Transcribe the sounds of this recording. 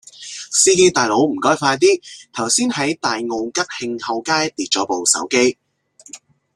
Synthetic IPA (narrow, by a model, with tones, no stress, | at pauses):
siː˥ke˥jt̪aː˨˧jlo˨˥wm̩˨˩kɔː˥jfaː˧jt̪̬iː˥t̪ʰɐ˨˩wsiː˥nhɐ˨˥jt̪aː˨jŋo˨˧wkɐ˥k̚hɪ˧ŋhɐ˨˧wkaː˥jt̪iː˨t̚t͡ʃɔː˨˥po˨wsɐ̰˨˥wke˥j